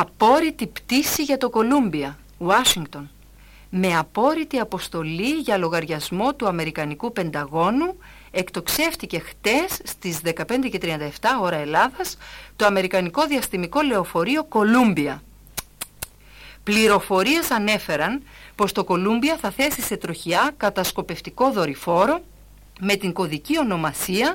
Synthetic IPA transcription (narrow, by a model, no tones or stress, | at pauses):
ɐpo̞ɾit̪ipt̪isiʝɐt̪o̞ko̞lumbiɐ | wɐʃiŋɡt̪o̞n | me̞ɐpo̞ɾit̪iɐpo̞st̪o̞liʝɐlo̞ɣɐɾʝɐzmo̞t̪uɐme̞ɾikɐnikupe̞nd̪ɐɣo̞nu | e̞kt̪o̞kse̞ft̪ice̞xt̪e̞sːt̪izðe̞kɐpe̞nd̪e̞ce̞t̪ɾiɐnd̪ɐeft̪ɐo̞ɾɐe̞lɐðɐst̪o̞ɐme̞ɾikɐniko̞ðiɐst̪imiko̞le̞o̞fo̞ɾio̞ko̞lumbiɐ | pliɾo̞fo̞ɾie̞sɐne̞fe̞ɾɐnpo̞st̪o̞ko̞lumbiɐθɐθe̞sise̞t̪ɾo̞çiɐkɐt̪ɐsko̞pe̞ft̪iko̞ðo̞ɾifo̞ɾo̞ | me̞t̪iŋɡo̞ðicio̞no̞mɐsiɐ